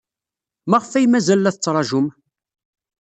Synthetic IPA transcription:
mæʁəfæjmæzælːæθət͡sːɾˤɑʒʊm

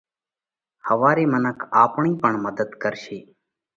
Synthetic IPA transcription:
həʋaːɾeːmənəkʰaːpɳiːpəɳməd̪əd̪kəɾʃiː

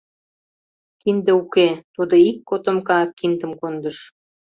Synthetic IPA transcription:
kind̪ĕuket̪ud̪oikːot̪əmkɑkːind̪ə̆mkond̪əʃ

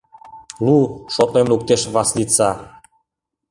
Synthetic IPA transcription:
luʃot̪lemluk̚t̪eʃβɑslit͡sɑ

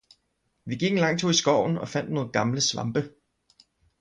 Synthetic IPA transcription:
ʋiɡ̥iɡ̥̩lɑ̈ŋ̰̥t͡sʰoisɡ̥ɒʊ̰n̩ɒ̽fæn̰d̥noːð̩ˠɡ̥ɑ̈mləsʋɑ̈mb̥ə

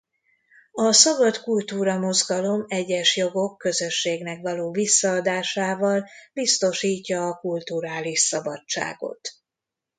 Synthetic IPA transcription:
ɒsɒbɒt̪kult̪uːɾɒmo̞zɡɒlo̞mɛɟːɛʃjo̞ɡo̞kːø̞zø̞ʃːeːɡnɛkvɒloːvisːɒːd̪aːʃaːvɒlb̥ist̪o̞ʃiːcːɒːkult̪uɾaːliʃsɒbɒt͡ʃt͡ʃːa̰ːɡo̞̰t̪

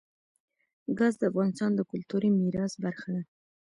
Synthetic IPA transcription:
ɡɑzd̪əafɣɑnɪst̪ɑnd̪əkʊlt̪uɾimiɾɑsbaɾxad̪a

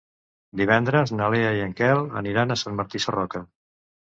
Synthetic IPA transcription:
d̪iβ̞ɛnd̪ɾəznəleaiəŋkɛlə̰niɾanəsanməɾt̪isərɔkə

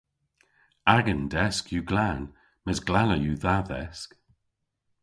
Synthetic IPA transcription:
aɡənd̪ɛskjuːɡlan | məsɡlaləjuːðaðɛ̰sk

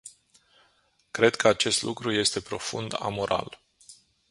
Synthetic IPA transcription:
kɾe̞d̪kʰəat͡ʃe̞st̪lukɾuje̞st̪e̞pɾo̞fṵnd̪a̰mo̞ɾa̰l

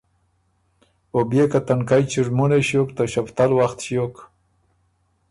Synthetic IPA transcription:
objekat̪ankajt͡ʃiʐmuneɕjokt̪aʃapt̪alwaxt̪ʃjok

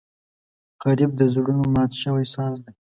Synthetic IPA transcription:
ɣaɾib̚d̪əzɽunomɑt̪ʃəwajsɑzd̪e

